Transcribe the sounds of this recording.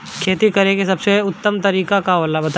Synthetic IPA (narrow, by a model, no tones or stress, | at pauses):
kʰeːt̪ikɐɾẽkesɐbseʊt̪ːəmt̪ɐɾiːkakaəlːabɐt̪a